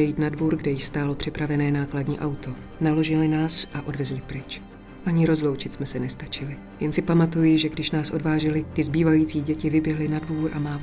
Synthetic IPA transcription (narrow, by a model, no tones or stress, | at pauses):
ɛjiːt̪nadvuːɾɡdɛjɪst̪aːlo̞pr̝̥ɪpɾavɛnɛːnaːkladɲḭːʔawt̪ʰo̞ | nalo̞ʒɪlɪnaːsʔaʔo̞dvɛzlɪpɾɪt͡ʃ | ʔaɲɪɾo̞zlo̞wt͡ʃɪt̪smɛsɛnɛst̪at͡ʃɪlɪ | jɛnsɪpamat̪ujɪʒɛɡdɪʃnaːsʔo̞dvaːʒɛlɪt̪ɪzbiːvajiːt͡siːɟɛcɪvɪbjɛɦlɪnadvuːɾʔa̰maː